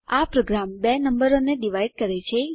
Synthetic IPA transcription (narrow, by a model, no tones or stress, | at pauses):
apɾoɡɾambenəmbəɾoneɖiʋaiɖ̚kəɾet͡ʃʰe